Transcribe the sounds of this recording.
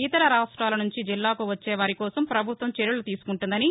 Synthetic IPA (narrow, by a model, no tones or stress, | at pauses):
it̪ɐɾɐɾaːʂʈɾaːlɐnuɲt͡ʃid͡ʒilːaːkuʋɐt͡ʃːɛːʋaːɾikɔːsɐmpɾɐbʱut̪ʋɐmt͡ʃeɾulut̪iːsu̥kuɳʈund̪ɐni